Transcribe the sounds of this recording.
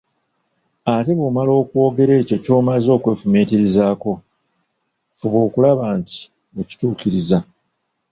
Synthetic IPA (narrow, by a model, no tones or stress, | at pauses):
ate̞βumalo̞ːkuwo̞ːɡe̞ɾe̞ːco̞co̞ːmazo̞ːkwe̞ːfumeːtiɾizaːko̞ | oβwo̞ːkulaβaːnti̥ | oci̥tuːkiɾiza